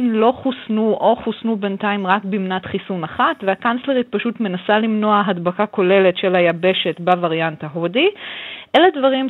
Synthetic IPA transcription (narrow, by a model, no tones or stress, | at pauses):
nlo̞χusnuʔo̞χusnubentaimʁakbimnatχisunaχatveakansle̞ʁit̚paʃutme̞nasalimno̞aɦadbakako̞le̞le̞tʃe̞lajabe̞ʃe̞tbavaʁjantaɦodiʔeledvaʁim